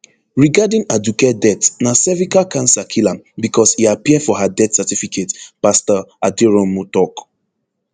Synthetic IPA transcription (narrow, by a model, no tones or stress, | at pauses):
ɹiɡadĩŋadukedɛtnasɛvikakãnsakʰilãmbikʰɔshiapiədfɔɦadɛtsɛtifikʰetpastəadiɹɔ̃mutɔk